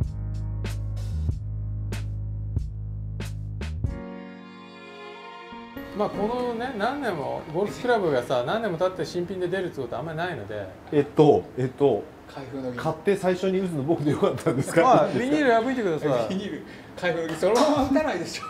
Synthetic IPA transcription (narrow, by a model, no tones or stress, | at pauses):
maːko̞no̞ne̞nãnːẽ̞mːo̞̰ɡo̞ɾɯsɨ̥kɯ̟ɾabɯ̟ɡasanãnːe̞mo̞t̪at̪ːeɕĩmpʲĩnd̪e̞d̪e̞ɾɯt̪ːɨko̞t̪o̞amːainaino̞̰d̪e̞̰ | et̪ːoet̪ːo̞ | kʰaiɸɯkʰat̪ːe̞saiɕoɲ̟iɯ̟t͡sɨno̞bo̞kɯ̟d̪e̞jo̞kat̪ʰːãnd̪esɨ̥kaaɾʲiɲʲiɾɯabɯ̟it̪e̞kɯ̟ɾasaiɲʲiɾɯ | kʰaiɸɯnokesoɾod̪anaid̪eso̥